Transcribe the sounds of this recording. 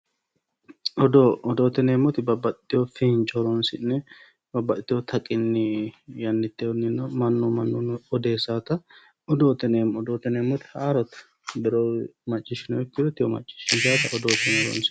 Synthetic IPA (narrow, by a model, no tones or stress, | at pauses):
ʔɔd̪oɔd̪oːt̪ɛneːmːɔt̪ɪbɐbːɐt̪t̪ːɪjofɪnt͡ʃʼɔɾɔnsɪnːɛ | bɐbːɐt̪ːɪjɔt̪ʰɐkʼɪnːɪjɐnːɪt̪ːeɔnɪnːɔmɐnːumɐnːunɔd̪eːsaːt̪ɐ | ɔd̪oːt̪ɛnemɔd̪oːt̪ɛneːmːɔt̪ɪ̥haːɾɔt̪ | b̪ɛɾomɐt͡ʃʼːɪʃɪnɔjɔkːɪd̪ɔt̪ːɪjɔmɐ̰t͡ʃʼːɪ̥ʃɪnd͡ʒaːt̪ɐʔɔd̪oːt̪ɛnɔɾɔ̰nsɪ̥